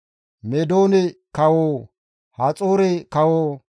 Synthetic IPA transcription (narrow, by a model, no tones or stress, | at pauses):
mɛd̪oːnɛkɐwoː | hɐt͡sʼoːɾɛkɐwoː